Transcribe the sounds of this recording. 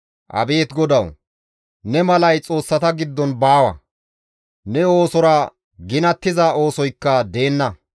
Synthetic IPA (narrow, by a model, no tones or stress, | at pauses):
ʔɐ̰be̞ːt̪ɡɔd̪ɐw | nɛmɐlɐjt͡sʼo̞ːsːɐt̪ɐɡɪd̪ːɔnbaːwɐ̰ | nɛo̞ːsɔɾɐ | ɡɪnɐt̪ːɪzaːo̞ːsɔjkːɐd̪e̞ːnːɐ